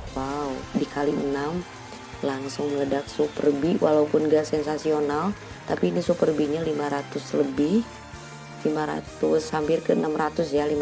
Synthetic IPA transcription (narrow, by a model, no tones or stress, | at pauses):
waudikaliənam | laŋsʊŋməŋədak̚supərbiwʔalaupʊnɡasɛnsasional | t̪apiːnisupərbiɲalimaɾat̪ʊsləbɪh | limaɾa̰t̪ʊshampɪrkəənamɾat̪ʊsjalim